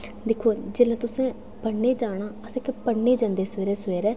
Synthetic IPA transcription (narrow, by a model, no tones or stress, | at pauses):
d̪ɪkʰoːd͡ʒeːlãːt̪ʊsẽː | pəɳːeːd͡ʒaːɽ̃aːəsekpəɳːeːd͡ʒãːnd̪eːsʋeːɾeːsʋeːɾɛː